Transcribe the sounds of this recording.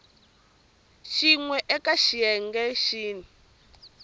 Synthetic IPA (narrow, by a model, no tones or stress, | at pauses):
ʃiŋwɛʔɛkaʃiɛŋɡɛʃiːni